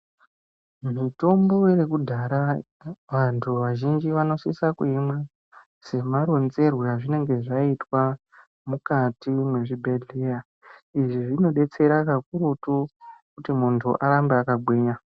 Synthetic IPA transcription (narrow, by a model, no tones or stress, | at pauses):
mito̞mbo̞rekudʱaɾa | ʋantʰuʋaʒind͡ʒiʋano̞sisakuimwa | se̞maɾo̞nze̞rwuraʐine̞ŋɡe̞ʐaitwa | mukatimwe̞ʐibʱe̞ɮeja | iʐiʐino̞ɗe̞t͡se̞ɾakak̚uɾutukutimuntʰṵʔaɾambeakaɡʱwiːɲa